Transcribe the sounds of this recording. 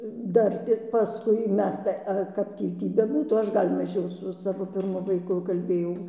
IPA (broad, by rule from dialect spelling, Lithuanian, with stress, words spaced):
ˈdɐr tʲɪk pɐˈskʊɪ ˈmʲɛs tɐɪ ˈɐ ˈkɐp tʲiː ˈtʲiː bʲɛˈbuːtuː ˈɐʃ ˈɡɐlʲ mɐˈʒʲɛʊ sʊ ˈsɑːʋoː pʲɪrˈmʊ ʋɐɪˈkʊ kɐlʲˈbʲeːjɛʊ